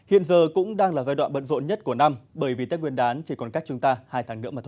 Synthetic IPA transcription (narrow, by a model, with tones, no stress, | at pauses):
hḭ˧˨ənzəː˨˩kʊ̰˧˥ŋ͡mɗaː˧ŋlaː˨˩zaː˧jɗwa̰ː˧˨ɓə̰˧˨n̚zo̰˧˨nɲə˦˥t̚ku˧˩əna˧mɓəː˧˩jvi˨˩t̪aː˦˥k̚ŋwənɗaː˨˦nt͡ɕi˧˩kɔ˨˩nka˦˥k̚t͡ɕʊ˧˦ŋ͡mt̪aː˧haː˧jt̪ʰaː˨˦ŋnɨ̰˧˥əmːʰ˨˩˧